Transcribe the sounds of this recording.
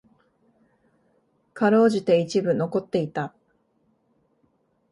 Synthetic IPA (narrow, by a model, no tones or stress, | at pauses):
kaɾo̞ːʑit̪e̞it͡ɕibɯ̟no̞ko̞t̪ːe̞it̪a